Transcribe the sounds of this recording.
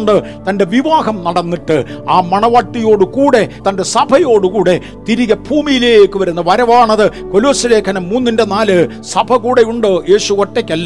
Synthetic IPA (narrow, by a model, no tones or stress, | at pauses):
ɳɖɨ | t̪ɐnde̞ʋiʋaːɦɐmnɐɽɐnːiʈːɨaːmɐɳɐʋaːʈːijo̞ːɽɨkuːɽe̞t̪ɐnde̞sɐbʱɐjo̞ːɽɨkuːɽe̞ | t̪iɾiɣɐbʱuːmijileːjekːɨʋɐɾunːɐʋɐɾɐʋaːɳɐðɨko̞loːsileːkʰɐnɐmːuːnːindenaːlɨ | sɐbʱɐkuːɽe̞juɳɖɨje̞ːɕukoʈːekʲːɐlː